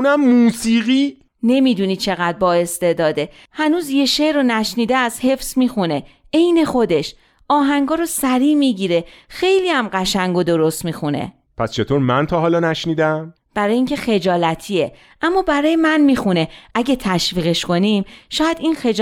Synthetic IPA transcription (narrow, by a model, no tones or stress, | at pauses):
unæmːuːsiːɣiː | ne̞mid̪uːniːt͡ʃʰe̞ɣæd̪̚bɒːe̞st̪e̞d̪ɒːd̪e̞ | hænuːzje̞ʃeɾonæʃniːd̪eæshe̞fsmiːxune̞ | e̞jne̞xo̞d̪e̞ʃ | ʔɒːɦæŋɡɒːɾosæɾiːmiɟiːɾe̞xe̞jliːæmɢæʃæŋɡo̞d̪o̞ɾost̪miːxune̞̰ | pʰæst͡ʃʰe̞t̪ʰoːɾmænt̪ʰɒːɦɒːlɒːnæʃniːd̪æm | b̥æɾɒːjeiːŋcʰe̞xe̞d͡ʒɒːlæt̪ʰie | ʔæmːɒːbæɾɒːjemænmiːxune̞ʔæɟet̪ʰæʃviːɣe̞ʃko̞nimʃɒːjæd̪inxe